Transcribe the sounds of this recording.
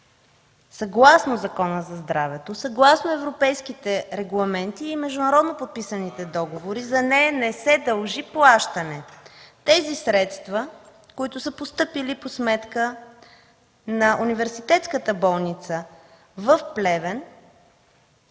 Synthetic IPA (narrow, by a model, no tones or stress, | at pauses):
sɐɡlˠasnozɐkɔnəzɐzd̪ɾavɛt̪osɐɡlˠasnoɛvɾopɛjskit̪ɛɾɛɡlˠɐmɛnt̪iːmɛʒd̪unɐɾɔd̪nopot̪̚pisənit̪ɛd̪ɔɡovoɾizɐnɛjənɛsɛd̪əlˠʒiplˠaʃt̪ənɛt̪ɛzisɾɛt̪st̪vɐ | koit̪ʊsəpost̪ɤpiliposmɛt̪kə | nɐʔunivɛɾsit̪ɛt̪skət̪əbɔlˠnit̪sə | vəfplɛvɛn